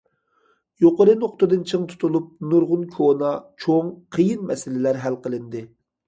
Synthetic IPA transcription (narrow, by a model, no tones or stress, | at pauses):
joqoɾɨnoχt̪ɨd̪ɨnt͡ʃʰɨŋt̪ʰu̥t̪ʰulˠup̚nuɾʁʊnkʰonɑt͡ʃʰoŋqʰəjinmɛsɪlɪlæɾɦælqəlˠɨnd̪ɨ